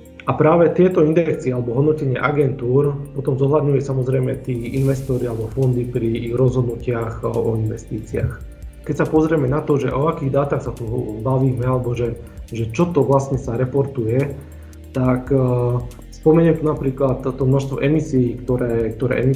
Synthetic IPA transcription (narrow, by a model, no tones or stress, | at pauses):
apɾaːʋɛt̪ɪɛt̪ɔind̪iɾɛk̚t͡siɛalɛbɔɦɔd̪nɔcɛɲɪɛʔaɡɛnt̪uːɾpɔt̪ɔmzɔɦlad̪ɲujɛsamɔzɾɛjmɛt̪iːinʋɛst̪ɔɾialɛbɔfɔnd̪ipɾiɣɾɔzɦɔd̪nucɪaxɔinʋɛst̪iːt͡sia̰x | kɛcsapɔzɾɛmɛnat̪ɔʒɛʔɔakiːɣd̪aːt̪axsat̪ubaʋiːmɛalɛbɔʒɛ | ʒɛt͡ʃɔt̪ɔʋlasɲɛsaɾɛpɔɾt̪ujɛ | t̪ak | spɔmɛɲɛmt̪unapɾiːklat̪ːɔmnɔʃst̪ʋɔ̰ʔɛmisiːkt̪ɔɾɛːk̚t̪ɔɾɛ̰ʔɛmi